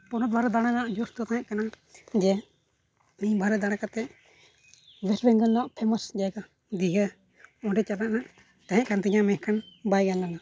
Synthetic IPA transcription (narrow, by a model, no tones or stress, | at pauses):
pɔnɔt̪̚bʱaɾɛd̪aɽ̃anaʔd͡ʒɔst̪ɔt̪aɦɛ̃ʔkana | d͡ʒɛ | miɲbʱaɾɛd̪aɽ̃akat̪ɛʔ | wɛɾbɛŋɡənnawaʔpʰɛməsd͡ʒaɛɡa | d̪iɦə | ɔ̃ɖɛt͡ʃalaʔnaʔ | t̪aɦɛ̃ʔkant̪iɲamɛ̃kʰanbajɡanlana